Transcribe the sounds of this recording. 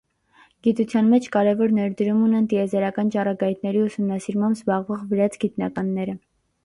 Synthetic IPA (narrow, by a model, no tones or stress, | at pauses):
ɡ̥it̪ut͡sʰjɑnmɛt͡ʃʰkɑɾɛvɔɾnɛɾd̪əɾumunɛnt̪iɛzɛɾɑkɑnt͡ʃɑrɑɡɑjt̪ʰnɛɾiusumnɑsiɾmɑmbzbɑʁvɔʁvəɾɑt͡sʰɡit̪nɑkɑnːɛɾə